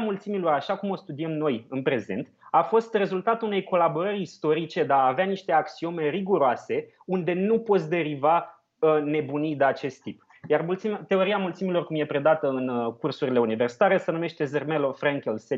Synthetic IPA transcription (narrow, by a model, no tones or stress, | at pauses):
mult̪similo̞ɾaʃakumo̞st̪ud̪iemno̞jɨnpɾe̞ze̞̰nt̪afo̞st̪re̞zult̪at̪uune̞jko̞labo̞ɾəɾʲist̪o̞ɾit͡ʃe̞d̪aːveaniʃt̪e̞aksio̞meriɡuɾoase̞ | und̪e̞nupo̞t̪sʲd̪e̞ɾiva | ne̞bunid̪eat͡ʃe̞st̪ːip | jarmult̪simt̪e̞o̞ɾiamult̪similo̞rkumje̞pɾe̞d̪at̪əɨnkursuɾile̞universi̥t̪aɾe̞sənume̞ʃt̪e̞zermelo̞fɾaŋkʲelse